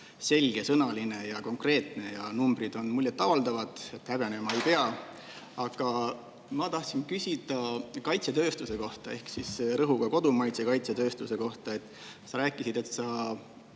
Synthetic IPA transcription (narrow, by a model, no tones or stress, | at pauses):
se̞lʲɡ̥e̞sɤnɑline̞jɑko̞ŋkre̞ːt̪ne̞jɑnumbrid̪̥o̞nmulːet̪ːˑɑvɑld̪ɑvɑd̪̥e̞t̪hæɡ̥enemɑe̞jpe̞ɑ | ɑɡ̥ɑ | mɑt̪ɑht̪sinkysʲid̪̥ɑkɑjt̪set̪øːst̪use̞ko̞ht̪ɑe̞hksisɾɤɦuɡ̥ɑko̞d̪̥umɑjt̪sekɑjt̪set̪ø̞ːst̪use̞ko̞ht̪ɑe̞t̪ːˑ | sɑɾæːkːˑisid̪̥e̞t̪sɑ